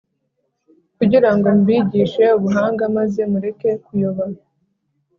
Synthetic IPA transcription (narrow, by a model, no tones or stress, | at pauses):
kuɟiɾaŋɡo̞mbiːɟiːʃe̞uβuɦaːŋɡamaze̞muɾe̞ke̞kujoβaɾa